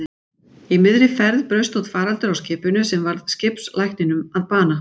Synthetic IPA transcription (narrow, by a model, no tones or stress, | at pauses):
imɪðɾɪfɛɾðpɾœɥst̪ɔt̪faːɾalt̪ʏɾawscɪːpʏnʏsɛmvaɾðscɪpslajhknɪnʏmaðpaːna